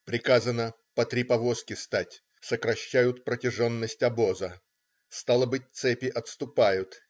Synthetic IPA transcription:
pɾʲɪkazənə | pət̪ɾʲɪpɐvo̞skʲɪst̪atʲ | səkɾɐɕːæjʊt̪̚pɾətʲɪʐo̞nːəsʲtʲɐbo̞zə | st̪alˠəbɨt̚ʲt̪sɛpʲɪʔɐt̪st̪ʊpajʊt̪

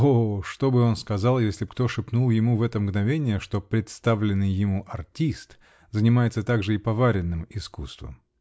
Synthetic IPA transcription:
oʂt̪o̞bɨo̞nskɐzɑlˠjesʲlʲɪkt̪o̞ʂɨpnulˠjɪmuvɛt̪əmɡnɐvʲenʲɪjəʂt̪o̞pɾʲɪt̪st̪avlʲɪnːɨjːɪmuʔɐrtʲist̪ | zənʲɪmajɪt̪sət̪aɡʐɨɪpɐvaɾʲɪnːɨmɪskust̪və̰m

